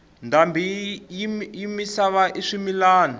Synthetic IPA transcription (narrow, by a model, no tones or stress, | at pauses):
ndambijjimisaβaʔiʂimilaːnu